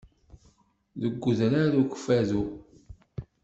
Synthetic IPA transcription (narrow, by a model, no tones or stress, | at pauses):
ðəɡʷːəðɾaðukʷə̥fæðu